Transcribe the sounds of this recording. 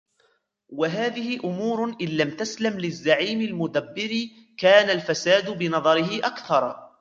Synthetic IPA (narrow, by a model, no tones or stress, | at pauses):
waɦaːðɪhɪʔʊmuːɾʔɪnlamt̪aslamlɪzːaʕiːmɪlmʊd̪abːɪɾi | kaːnalfasaːd̪bɪnɑðˤɑɾɪhɪʔakθɑɾˤ